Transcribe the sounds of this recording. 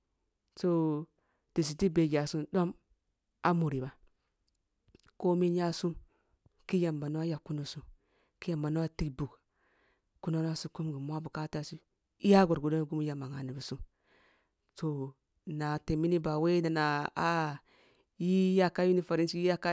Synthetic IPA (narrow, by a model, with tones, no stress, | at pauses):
so˦ | ti˨s̬i˨ti˦be˨d͡ʒa˨su˦nɗo˦m | a˦mu˨ɾi˨ba˨ | ko˦mi˦nja˦su˦m | ki˦ja˨mba˨no˦a˦ja˨ku˦no˨su˦ | ki˦ja˨mba˨no˦a˦ti˦kbu˨k | ku˦no˦n˦a˦su˦ku˦mɡi˨mu˦a˦bu˨ka˦ta˦si˦ | i˦ja˦ɡo˨ɾɡu˨do˦ɡu˦m˦ja˨ma˨ŋa˨ni˨bi˨su˦m | so˨ | na˨te˨mi˦ni˦ba˨we˦na˨na˨a˦ | ji˦ja˦ka˦ju˦ni˨fa˨ɾe˦si˦a˦ka˦